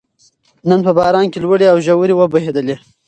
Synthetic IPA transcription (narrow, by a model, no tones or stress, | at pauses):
nənpəbɑɾɑnkelwəɽeawʒawəɾewəbahed̪əle